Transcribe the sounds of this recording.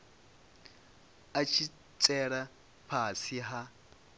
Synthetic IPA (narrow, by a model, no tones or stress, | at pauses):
at͡ʃʰi | t͡sʼɛɺa | pʰasiɦa